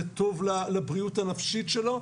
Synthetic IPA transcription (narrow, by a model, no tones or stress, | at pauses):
et̪o̞vlalabʁiutanafʃit̪ʃelo̞